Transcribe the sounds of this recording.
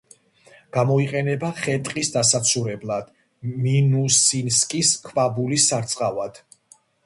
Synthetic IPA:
ɡ̥amɔiqʼɛnɛbaχɛt̪ʼqʼisd̪asat̪sʰuɾɛblˠad̪̥ | minusinskʼiskʰvabulisːaɾt̪sʼqʼavad̪̥

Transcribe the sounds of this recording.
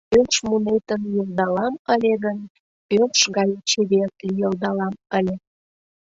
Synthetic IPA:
pønʃmunet̪ənjəlˠd̪ɑlɑməlʲeɣən | pønʃɣɑjət͡ɕeβert̪lijəld̪ɑlɑməlʲe

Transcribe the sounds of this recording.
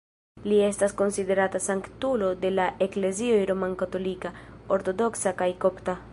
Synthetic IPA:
lie̞stasko̞nside̞ɾatasaŋktulo̞de̞laʔe̞kle̞ziojɾo̞mankato̞likao̞ɾto̞do̞ksakajko̞pta

